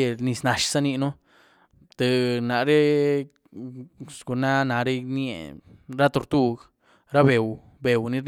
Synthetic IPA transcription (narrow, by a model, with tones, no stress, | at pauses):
e˧ni˧sna˨ʃsa˦ni˧no˦ | t̪e˨˧na˨ɾe˦ | sɡu˨na˦na˨ɾe˦njḛ˨ɾa˦t̪o˧ɾt̪u˦ɡ | ɾa˦be˨w | be˨wni˧˦ɾn